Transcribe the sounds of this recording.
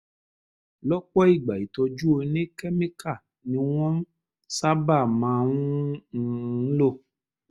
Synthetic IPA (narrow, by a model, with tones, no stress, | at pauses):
lɔ˦k͡pɔ˦i˦˨ɡ͡ba˨i˨t̪ɔ˧d͡ʒu˦o˧nẽ˦kɛ˦mẽ˦ka˦˨ | nĩ˧w̃ɔ̃˦m˦ | sa˦ba˦˨mã˨˧ŋũ˦˨˦ | lo˦